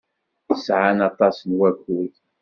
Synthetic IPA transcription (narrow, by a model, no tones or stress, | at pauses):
əsʕanɑt̪ˤɑsnwækuθ